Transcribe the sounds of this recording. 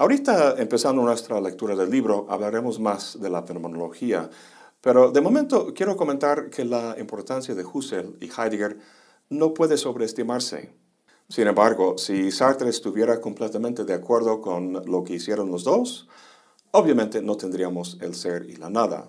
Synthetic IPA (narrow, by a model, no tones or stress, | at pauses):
aoɾit̪aempe̞sand̪onwest̪ɾale̞k̚t̪uɾaðe̞lːiβɾo̞ʔa̰βlaɾe̞mosmasðe̞lafenomenolo̞xia̰ | peɾo̞ðemo̞ment̪o̞kje̞ɾo̞ko̞ment̪aɾkʰe̞laimpo̞ɾt̪ansjaðe̞xuselixajd̪iɣeɾ | no̞pwe̞ðe̞so̞βɾeːst̪imaɾsḛ | sine̞mbaɾɣo̞sisaɾt̪eɾest̪uβje̞ɾako̞mple̞t̪ament̪e̞ðeakwe̞ɾðo̞konlo̞ke̞isje̞ɾo̞nlozðo̞s | oβjamẽ̞nt̪enot̪end̪ɾiamose̞̰lse̞ɾḭla̰naða̰